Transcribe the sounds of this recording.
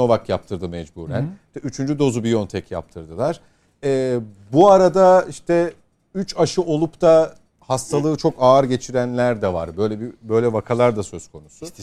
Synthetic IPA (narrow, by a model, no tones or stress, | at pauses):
o̞vakjap̚t̪ʰɯɾd̪ɯmɛd͡ʒbṵːɾæ̰nt̪ɛyt͡ʃʰynd͡ʒyd̪o̞zubijo̞nt̪ʰɛcja̰p̚t̪ʰɯɾd̪ɯlˠaɾ̥ | ɛː | buaɾad̪aiʃt̪ʰɛ | yt͡ʃaʃɯʔo̞lˠupt̪ʰa | hast̪ʰalˠɯːt͡ʃʰo̞kaːɾɟe̞t͡ʃʰiɾænlʲæɾd̪ɛva̰ɾbø̞jlʲɛbibø̞jlʲɛvakʰalˠaɾd̪asø̞z̥kʰo̞nusu